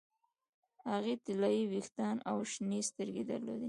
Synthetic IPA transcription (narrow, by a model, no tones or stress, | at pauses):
haɣet̪ɪlɑjiwixt̪ɑnawʃnest̪əɾɡed̪aɾlo̰d̪i